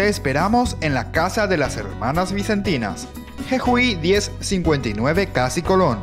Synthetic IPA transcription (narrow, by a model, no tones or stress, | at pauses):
eːspe̞ɾamo̞se̞nlakasaðe̞lase̞̰ɾmanazβise̞nt̪ina̰s | xexwiðje̞sːiŋkwe̞nt̪ajnwe̞βe̞kasiko̞lo̞n